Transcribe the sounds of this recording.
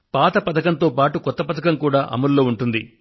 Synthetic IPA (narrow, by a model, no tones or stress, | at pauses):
paːt̪ɐpɐd̪ɐkɐnt̪o̞ːpaːʈukɔt̪ːɐpɐd̪ɐkɐmkuːɽaːʔɐ̰mɐɾlo̞ːuɳʈund̪i